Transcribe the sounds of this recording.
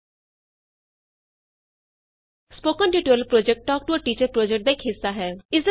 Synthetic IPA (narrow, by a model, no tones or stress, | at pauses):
spoːkənʈiʈuəlpɾoːd͡ʒɛk̚ʈːɔːk̚ʈuəɾʈiːt͡ʃəɾpɾoːd͡ʒɛk̚ʈ̚d̪aːɪkʰɦɪsːaːɦɛːɪsd̪